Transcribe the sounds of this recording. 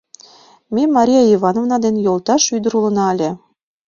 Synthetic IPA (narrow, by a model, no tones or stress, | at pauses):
mʲemɑɾʲijɑiβɑnovnɑd̪enjolˠt̪ɑʃyd̪ə̆ɾulə̆nɑælʲe